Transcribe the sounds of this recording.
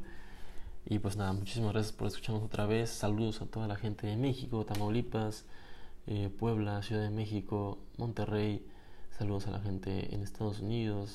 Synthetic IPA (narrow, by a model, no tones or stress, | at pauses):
ipwe̞snaðamut͡ʃisimazɣɾas̬jḁspo̞ɾesku̥t͡ʃaɾnoso̞t̪ɾaβe̞sːaluð̞osat̪o̞ðalaxe̞nt̪eðeme̞xiko̞t̪amawlipas | epwe̞β̞lasjuðaðeme̞xiko̞ | mõ̞nt̪e̞re̞j | saluð̞o̞salʔa̰xe̞nt̪ḛḛnest̪ʰaðosuniðos